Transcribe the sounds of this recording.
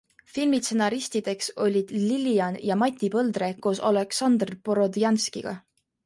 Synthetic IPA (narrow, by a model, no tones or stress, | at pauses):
filmit̪senɑɾist̪id̪̥e̞kso̞lʲid̪̥liliɑnjɑmɑt̪ʲːipɤld̪re̞koso̞̰leksɑnd̪rpoɾo̞d̪jɑnskiɡ̥ɑ̰